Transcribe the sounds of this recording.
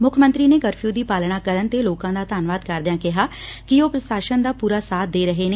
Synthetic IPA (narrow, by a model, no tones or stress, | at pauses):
mʊkʰmə̃nt̪ɾiːneːɡəɾpʰuːd̪iːpaːlɽaːkəɾənt̪eːloːkãːd̪aːt̪aːnʋaːd̪kəɾd̪ɪjãːkɪɦaːkɪoːpɾəsaːʃənd̪aːpuːɾaːsaːt̪̚d̪eːɾəɦeːneː